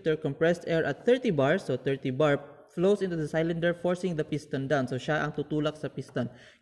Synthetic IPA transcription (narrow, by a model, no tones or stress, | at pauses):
t̪ɛɹkɔmpɹɛst̪ɛɹʔɐt̪̚θɛɹt̪ibaɹsoθɛɹt̪ibaɹ | flosʔĩnt̪ud̪ɐsajlɐ̃nd̪ɛɹfɔɹsɪ̃ŋd̪ɐpist̪ɐnd̪ansowʃaʔɐŋt̪ut̪uːlɐksɐpist̪ɐn